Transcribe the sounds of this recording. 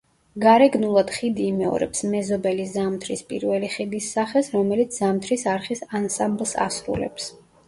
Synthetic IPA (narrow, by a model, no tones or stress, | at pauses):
ɡaɾɛɡnulˠad̪̥χid̪iːmɛɔ̰ɾɛ̰psmɛzɔbɛlizamt̪ʰɾispʼḭɾvɛliχid̪isːaχɛsɾɔmɛlit̪sʰzamt̪ʰɾisaɾχisansamblˠsa̰sɾṵlɛ̰ps